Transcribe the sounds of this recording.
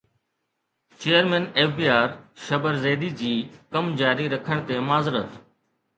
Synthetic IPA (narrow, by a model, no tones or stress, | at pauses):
t͡ɕejəɾmẽːneːfbiːaːɾʃɐbəɾzeːd̪id͡ʑiːkɐmd͡ʑaːɾiɾɐkʰəɽ̃t̪emaːzɪɾət̪